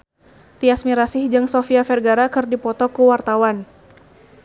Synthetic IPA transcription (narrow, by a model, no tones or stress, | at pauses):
t̪iasmiɾasɪhd͡ʒɨŋsɔfiafɛrɡaɾakɨrdipɔt̪ɔkuwart̪awan